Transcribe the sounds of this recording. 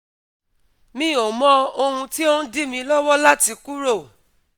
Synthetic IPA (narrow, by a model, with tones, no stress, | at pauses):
mĩ˨˦˨o˨mɔ̃˦o˧hũ˧ti˦o˦n̩˦di˦mĩ˧lɔ˦wɔ˦la˦ti˧ku˦ɾo˦˨